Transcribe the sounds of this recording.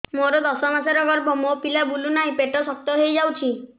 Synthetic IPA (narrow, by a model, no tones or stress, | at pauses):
moɾɔd̪ɔsɔmasaɾɔɡɔɾbʱɔmopilabulunaɦĩpeʈɔsɔk̚t̪ɔɦejd͡ʒawt͡ʃʰi